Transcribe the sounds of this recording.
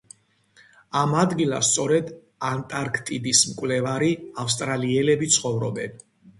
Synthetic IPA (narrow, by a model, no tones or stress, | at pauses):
amad̪ɡilˠa̰st̪sʼɔɾɛd̪ | ant̪ʼaɾkʰt̪ʼid̪ismkʼwlɛvaɾiafs̬t̪ʼɾaliɛlɛbit̪sʰχɔvɾɔbɛn